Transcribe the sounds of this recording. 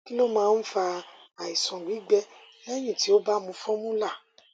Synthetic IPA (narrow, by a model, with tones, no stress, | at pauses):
ki˦lo˦mãː˦˧˦n̩˦fa˧a˨i˨sɔ̃˨ɡ͡bi˨˦ɡ͡bɛ˦lɛ˦j̃ĩ˦˨ti˨˦o˦ba˦mũ˧fɔ̃˦mũ˦la˦˨